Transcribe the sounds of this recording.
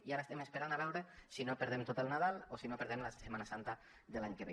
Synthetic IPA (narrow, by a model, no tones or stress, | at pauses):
iaɾaest̪emespeɾanaβɛwɾesinopəɾðemt̪ot̪əlˠnað̞alˠosinopeɾðemlasemanasant̪a | ðelaɲkeβḛ